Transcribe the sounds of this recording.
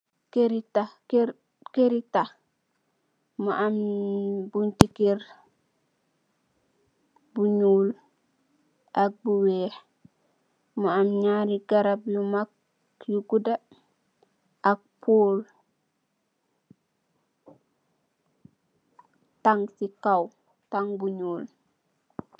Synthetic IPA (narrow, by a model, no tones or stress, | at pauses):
keɾita | keɾita | maʔam | buntikeɾ | buɲul | ʔak̚buwɛːh | mɔamɲaːɾiɡaɾablumak̚ | juɡuda | ʔak̚pʰoːl | taŋsikaw | taŋbuɲuːl